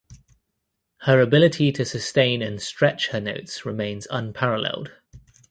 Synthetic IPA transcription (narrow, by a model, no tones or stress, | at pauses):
həɹəbɪlɪtʰitʰəsəstẽɪ̃nə̃nstɹ̥ɛt͡ʃhənəʊtsɹɪmẽɪ̃nz̥ʌ̰̃npʰaɹəlɛ̰lˠd̥